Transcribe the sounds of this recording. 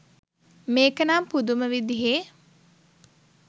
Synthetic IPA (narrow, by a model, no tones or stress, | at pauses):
meːkənampud̪uməʋid̪iɦe